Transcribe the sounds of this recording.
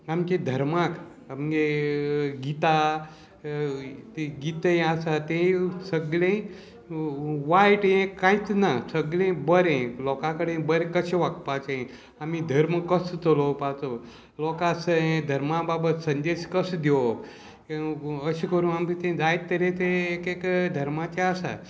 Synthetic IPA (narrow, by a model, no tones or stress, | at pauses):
amked̪ʱəɾmak | amke | ɡit̪a | t̪eɡit̪ə̃asat̪ẽsəɡɭẽ | ʋajʈjẽkãjt͡snasəɡɭẽbəɾẽlɔkãkəɽẽbəɾẽkəɕẽʋakpat͡sẽ | amid̪ʱəɾmkəst̪olɔpat͡so | lɔkasəẽd̪ʱəɾmababət̪sənd̪eɕkəsd̪ek | əɕikəɾũːnamit̪ẽd͡zajt̪t̪ːəɾet̪eːkekd̪ʱəɾmat͡ɕeasa̰